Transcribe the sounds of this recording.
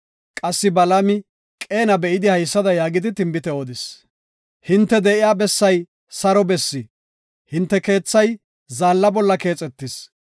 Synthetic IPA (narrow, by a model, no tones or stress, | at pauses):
kʼɐsːɪbɐlɐmɪ | kʼe̞ːnɐbɛʔɪd̪ɪhɐjsːɐd̪ɐjaːɡɪd̪ɪt̪ɪmbɪt̪ɛod̪ɪs | hɪnt̪ːɛd̪ɛʔɪjaːbɛsːɐj | sɐɾɔbɛsːɪ | hɪnt̪ːɛke̞ːt͡sːɐj | zaːlːɐbɔlːɐke̞ːt͡sʼɛt̪ːɪs